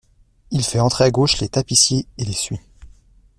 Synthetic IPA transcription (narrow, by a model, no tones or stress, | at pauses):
ilfɛɑ̃t̪χeaɡoʃlet̪apisjeelesɥi